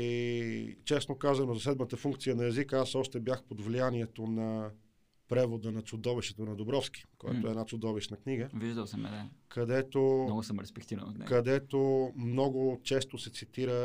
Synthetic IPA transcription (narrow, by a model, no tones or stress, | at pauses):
it͡ʃɛsnokazɐnozɐsɛd̪mət̪əfuŋkt̪sijənɐɛzikəasɔʃt̪ɛbjaxpod̪vlijaniɛt̪onɐ | pɾɛvod̪ənɐt̪sʊd̪ɔviʃt̪ɛt̪onɐd̪obɾɔfsk̟i̥koɛ̰t̪oɛːnat̪sʊd̪ɔviʃnɐkniɡəviʒd̪əsəmɛ̰d̪akɐd̪ɛt̪onɔɡʊsəmɾɛspɛk̚t̪ivn̰ɛ̰kɐd̪ɛt̪omnɔɡʊt͡ʃɛst̪osɛt̪sit̪iɾə